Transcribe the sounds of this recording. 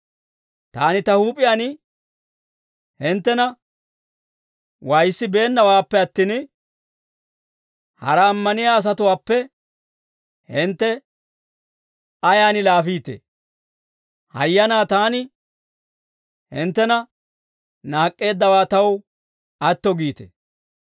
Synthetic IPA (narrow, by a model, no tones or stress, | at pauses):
t̪aːnɪt̪ɐhuːpʼɪjaːnɪ | hɪnt̪ːɛnɐ | wɐjsːɪbe̞ːnːɐwaːpːɛɐt̪ːiːn | hɐ̰ɾɐːmːɐnɪjaːs̬ɐt̪ʊwaːpːɛ | hɪnt̪ːɛ | ɐjaːnɪlaːfiːt̪ḛ | hɐ̰jːɐnaːt̪aːnɪ | hɪnt̪ːɛnɐ | naːkʼːe̞ːd̪ːɐwaːt̪ɐw | ɐt̪ːɔɡiːt̪ḛ